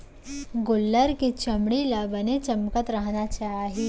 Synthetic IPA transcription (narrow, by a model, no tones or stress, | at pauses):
ɡʊlːəɾket͡ʃɐmɽilabənet͡ʃɐmkət̪ɾɐɦnat͡ʃaːɦi